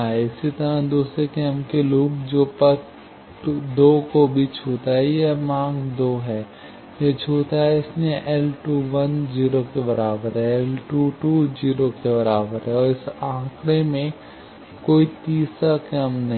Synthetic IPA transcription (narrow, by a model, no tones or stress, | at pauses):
aɦɛɪsit̪əɾãd̪uːsɾekɛːmkeluːkd͡ʒoːpɐt | d̪oːkobʱit͡ʃʰoːt̪aɦɛjemãːɡd̪oːɦɛː | jet͡ʃʰuːt̪aɦɛɪsmẽʔɛːlʈuːʋɐnd͡ʒiːɾokebɐɾaːbəɾɦɛɛːlʈuːʈuːd͡ʒiːɾokebɐɾaːbəɾɦɛɔːɾɪsãːkɽemẽ | koːit̪iːsakɛːmnɐɦ